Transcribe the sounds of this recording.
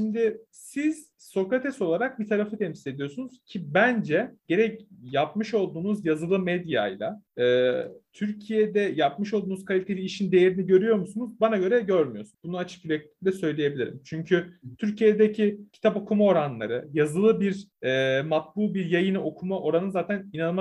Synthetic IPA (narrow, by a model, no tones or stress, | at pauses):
ʃimd̪ɪ | siz̥ | so̞kɾat̪ʰɛso̞lˠaɾak̚bit̪ʰaɾafɯt̪ʰɛmsi̥le̞d̪ijo̞sunuz̥cʰibænd͡ʒɛɟ̥e̞ɾɛcjapmɯʃo̞lˠd̪uːnuzjazɯlˠɯmed̪ja̰jlˠa̰ɛːt̪ʰyɾcʰijɛd̪ɛjapmɯʃo̞lˠd̪uːnuzkʰalʲit̪ʰe̞lʲiːʃind̪e̞jeɾiniɟø̞ɾyjo̞ɾmusunuzbanaɟø̞ɾɛɟøɾmyjo̞sunbunuat͡ʃʰɯ̥kylec̚lʲi̥cld̪ʲɛsø̞jlʲeje̞bilʲiɾḭmt͡ʃʰyɲcʰyt̪ʰyɾcʰijed̪ecʰicʰi̥t̪ʰapo̞kʰumao̞ɾanlˠa̰ɾɯjazɯlˠɯbiɾɛːmat̪̚bulˠbiɾjajɯnɯo̞kʰumaʔo̞ɾanɯnzaːt̪ʰæninanɯma